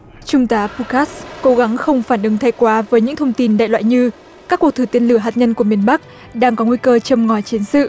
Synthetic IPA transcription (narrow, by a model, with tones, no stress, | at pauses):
t͡ɕʊ˧ŋ͡mt̪aː˨˦pu˧kaː˦˥sko˨˦ɣa˨˦ŋxə˧wŋ͡mfaː˧˩nʔɨ˨˦ŋt̪ʰa˧˩jkwaː˨˦vəː˨˦jɲɨ̰˧˥ŋt̪ʰə˧wŋ͡mt̪i˧nɗa̰ː˧˨jlw̰ːjɲɨ˧ | kaː˦˥kːu˨˩ək̚t̪ʰːt̪i˧ənlɨ˧˩əɦaː˨˩t̚ɲə˧nku˧˩əmi˨˩ənɓa˦˥k̚ | ɗaː˧ŋkɔ˨˦ŋwi˧kəː˧t͡ɕə˧˩mŋɔ˨˩t͡ɕi˨˦ənsɨ̰˧˨